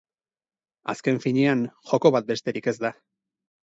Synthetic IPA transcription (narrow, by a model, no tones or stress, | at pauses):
a̰ske̞ɱfiɲeanxo̞ko̞βat̪̚be̞st̪e̞ɾike̞zd̪a